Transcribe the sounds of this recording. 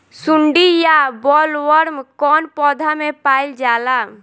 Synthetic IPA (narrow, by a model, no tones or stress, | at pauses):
sʊɳɖijabɔːlʋəɾmkɔːnpɔːd̪ʱamẽpaːɪld͡ʒaːla